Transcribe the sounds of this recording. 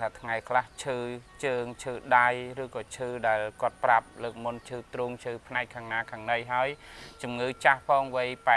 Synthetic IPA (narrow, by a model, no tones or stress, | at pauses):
aːt̪ʰŋajkʰlaht͡ɕʰɨːt͡ɕəːŋt͡ɕʰɨːɗajrɨːkɑːt͡ɕʰɨːɗaɛlkŏət̪̚prap̚ləːk̚munt͡ɕʰɨːt̪ruːŋt͡ɕʰɨːpʰnaɛkʰːaːŋnaːkʰaːŋnɨjɦaəjt͡ɕumŋɨːt͡ɕahpʰɑːŋʋɨjpa